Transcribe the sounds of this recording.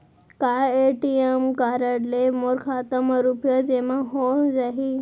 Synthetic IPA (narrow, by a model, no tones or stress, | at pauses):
kaeʈiemkaɾəɽlemoɾkʰat̪əməɾupjəd͡zemãɦod͡zaɦi